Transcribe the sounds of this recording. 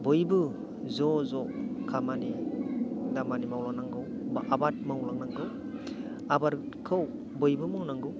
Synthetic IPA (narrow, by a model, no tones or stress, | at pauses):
bɯjbɯ | zɔzɔkʰamani | damanimawlanaŋɡɯw | babat̚mawlaŋnaŋɡɯw | abaɾ | kʰɯw | bɯjbɯmɯwnaŋɡɯw